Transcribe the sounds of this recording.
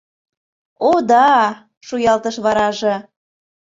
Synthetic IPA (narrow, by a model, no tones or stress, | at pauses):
od̪ɑ | ʃujɑlt̪əʃβɑɾɑʒɤ̆